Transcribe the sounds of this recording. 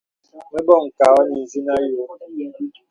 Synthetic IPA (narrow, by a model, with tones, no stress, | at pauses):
mɛ˦bɔ˦˨ŋ̩˨ka˨ɔ˦ni˨zi˦na˦jo˨˦